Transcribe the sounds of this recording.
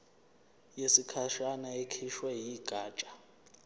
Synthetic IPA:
jesikʰaʃanaekʰiʃwɛɦiiɡ̥ʱaːt͡ʃʼḁ

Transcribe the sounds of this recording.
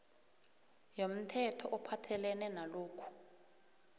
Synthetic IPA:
jom̩tʰɛtʰɔʔɔpʰatʰɛlɛnɛnaloːkʰu̥

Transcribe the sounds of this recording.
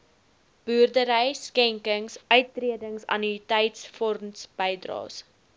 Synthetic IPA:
b̥yːrdəɾəjskɛŋkəŋsʔœɥt̚ːriədəŋsɐ̰nitɛjtsfɔrmsb̥əjdrɑ̰ːs

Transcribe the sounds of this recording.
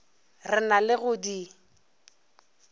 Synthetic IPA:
rɪnalɪɣʊdi

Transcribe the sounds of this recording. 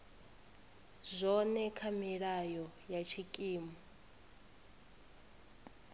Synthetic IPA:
zʷɔnɛkʰamiɺajɔjat͡ʃʰikʼiːmɔ

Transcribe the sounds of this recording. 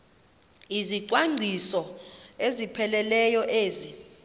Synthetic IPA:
iziǀwaŋŋ͡ǀʱisɔezipʰɛlɛlɛjɔʔeːzi

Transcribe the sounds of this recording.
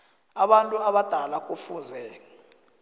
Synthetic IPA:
aɓantʼuaɓad̥ʱalak̬ʼufuːnzɛ

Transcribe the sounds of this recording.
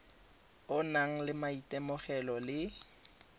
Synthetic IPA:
ʊnaŋ̩lɪmaitʼɛmʊχɛlɔlɪ

